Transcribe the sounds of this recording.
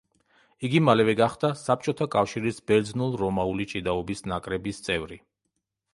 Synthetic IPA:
iɡimalɛvɛɡaχd̪asap̚t͡ʃʼɔt̪ʰakʼafʃiɾisbɛɾd̪znulˠɾɔmaulit͡ʃʼid̪aɔbisnakʼɾɛbist̪sʼɛvɾi

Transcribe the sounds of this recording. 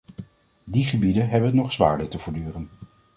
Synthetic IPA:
diχəbidəɦɛbənɔχsʋa̰ːɹdətəvʊːɹdyːrən

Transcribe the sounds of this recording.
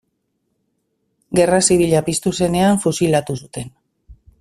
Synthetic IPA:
ɡe̞rasiβ̞iʎapist̪use̞ne̞aɱfusilat̪usut̪en

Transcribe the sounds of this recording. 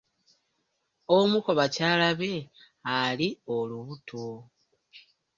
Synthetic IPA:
omuko̞βacaːlaβe̞ | alioluβutʰu

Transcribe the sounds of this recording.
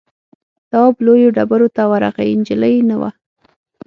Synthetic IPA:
t̪ɑblojoɖabaɾot̪awaɾa̰ɣajɪnd͡ʒɪləjnawa̰

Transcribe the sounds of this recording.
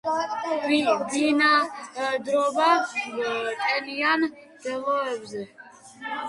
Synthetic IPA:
id̪inad̪ɾɔba | t̪ʼɛnian | d̪̥ɛlɔɛbzɛ

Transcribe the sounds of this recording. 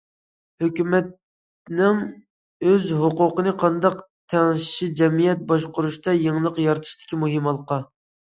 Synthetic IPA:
høkʲymɛt̪ | nɪŋ | øzɦoqʊqənɨqʰɑnd̪ɑq | t̪ʰɛŋʃʃid͡ʒɛmijɛt̪̚bɑʃqʊɾuʃt̪ɑjeŋlˠəqjɑɾt̪ʰɨ̥ʃt̪ʰɪ̥kʲimuɦɪmɑlˠqɑ

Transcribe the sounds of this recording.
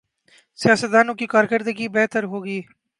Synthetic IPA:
sijaːsət̪̚d̪aːnõkikaːɾkəɾd̪əɡibɛɦt̪əɾɦoːɡiː

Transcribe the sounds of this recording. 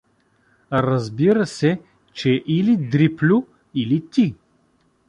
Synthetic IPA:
ɾɐzbiɾəsɛ | t͡ʃɛʔilid̪ɾiplʲʊ | ilit̪i

